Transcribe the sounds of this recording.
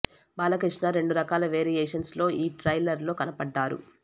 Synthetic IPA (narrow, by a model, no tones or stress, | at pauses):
baːlɐkɾiʂɳɐɾe̞ɳɖuɾɐkaːlɐʋeːɾijeːʂɐnslo̞ːʔiːʈɾɐjlɐɾlo̞ːkɐnɐpɐɖːaːɾṵ